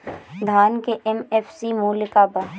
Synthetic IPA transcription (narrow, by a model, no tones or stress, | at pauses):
d̪ʱaːnkeʔɛmɛfsimuːlkabaː